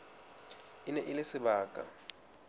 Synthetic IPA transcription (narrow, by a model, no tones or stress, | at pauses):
inɛʔilesɪbaːkʼa̰